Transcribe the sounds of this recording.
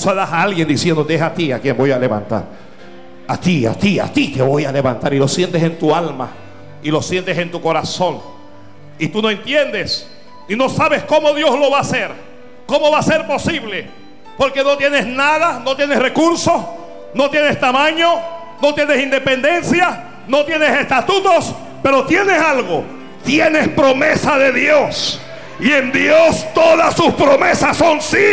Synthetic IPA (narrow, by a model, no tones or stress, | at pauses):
saðasaalɣje̞nd̪isje̞nd̪ot̪eesat̪iakje̞mbo̞jale̞βa̰nt̪a̰ɾ | at̪ia̰t̪ia̰t̪it̪eβo̞jale̞βa̰nt̪aɾilo̞sje̞nt̪ese̞nt̪ualma̰ | ilo̞sje̞nt̪ese̞nt̪uko̞ɾaso̞ŋ | it̪unoe̞nt̪je̞nd̪e̞s | ino̞saβe̞sko̞mo̞ðjo̞slo̞βaːse̞ɾ | ko̞mo̞βase̞ɾpo̞siβle̞ | po̞ɾke̞no̞t̪je̞ne̞snaðano̞t̪je̞nesrekuɾso̞s | no̞t̪je̞nest̪amãɲo̞ | no̞t̪jene̞sind̪e̞pe̞nd̪e̞nsja | no̞t̪jene̞se̞st̪at̪ut̪o̞s | pe̞ɾo̞t̪je̞ne̞salɣo | t̪je̞ne̞spɾo̞me̞saðe̞ðjo̞s | ie̞nd̪jost̪o̞ðasːuspɾome̞sasːo̞nsi